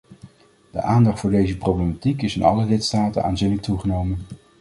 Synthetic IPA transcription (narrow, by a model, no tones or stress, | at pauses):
d̥ə̰ʔaːndɑχtfʊːɹdejzəprowblematikɪsɪnɑ̰ləlɪtstaːtə̰nʔa̰ːnzinlək̚tuχənowmən